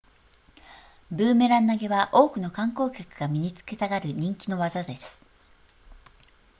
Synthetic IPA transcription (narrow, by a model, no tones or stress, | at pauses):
bɯ̟ːme̞ɾãnːaɡe̞βaʔo̞ːkɯ̟no̞kãŋko̞ːkʲakɯ̟ɡ̥amʲiɲ̟it͡sɨ̥ke̞t̪aɡaɾɯ̟ɲ̟ĩŋkʲino̞βazad̪e̞sɨ̥